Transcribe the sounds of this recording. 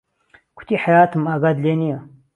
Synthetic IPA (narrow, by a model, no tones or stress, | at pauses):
kʰu̥t̪ʰiħajaːt̪ʰɨmaɡad̪lenijɐ